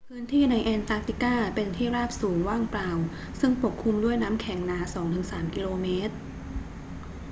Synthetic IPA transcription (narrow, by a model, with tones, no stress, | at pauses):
pʰɯː˦˥nt̪ʰiː˥˩na˧jʔɛː˧nt̪aː˦˥k̚t̪i˨˩kaː˥˩pe˧nt̪ʰiː˥˩ɾaː˥˩p̚suː˩˦ŋwaː˥˩ŋpɾaː˧w | sɯ˥˩ŋpo˨˩kʰːu˧mdu˥˩əjnaː˦˥mkʰɛ˩˦ŋnaː˩˦sɔː˩˦ŋt̪ʰɯ˨˩˦ŋsaː˩˦mki˧loː˧meː˦˥t̪̚